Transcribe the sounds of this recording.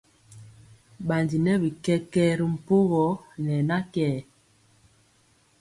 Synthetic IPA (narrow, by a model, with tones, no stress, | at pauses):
ɓa˨ndi˨nɛ˦bi˨kɛ˦kɛ˦ɾi˨m̩˨po˦ɣɔ˨˦nɛ˨na˦kɛː˦˨